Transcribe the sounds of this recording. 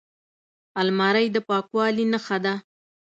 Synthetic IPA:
almɑɾajd̪əpɑkwɑlinəxad̪a

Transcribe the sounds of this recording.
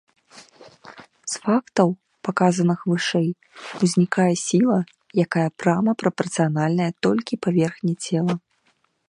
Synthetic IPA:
sfakt̪ɐw | pakazɐnɨxvɨʂɛj | uzʲnʲikajɛsʲilˠɐ | jakajɐpɾamɐpɾɐpɐrt̪sɨjanalʲnɐjɐt̪ɔlʲkʲipavʲɛrxnʲɛt͡sʲɛlˠɐ

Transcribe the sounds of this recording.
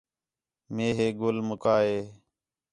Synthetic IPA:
meːɦeːɡʊlmʊkaːɦeː

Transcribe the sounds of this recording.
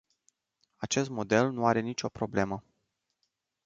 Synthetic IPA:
at͡ʃe̞s̬t̪mo̞d̪e̞lnuaɾe̞nit͡ʃʲo̞pɾo̞ble̞mə

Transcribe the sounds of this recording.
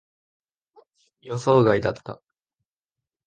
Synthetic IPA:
joso̞ːɡaid̪at̪ːa̰

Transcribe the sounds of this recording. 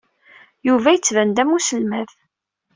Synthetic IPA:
juvæjət͡sːvænd̪æmusəlmæθ

